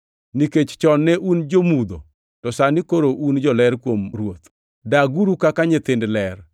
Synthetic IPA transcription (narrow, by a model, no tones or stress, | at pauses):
niket͡ʃt͡ʃɔnːɛʔund͡ʒomud̪o̰ | tɔsanikoɾoʔund͡ʒɔlɛɾkwomɾwot̪ | daɡuɾukakaɲɪt̪ɪndlɛr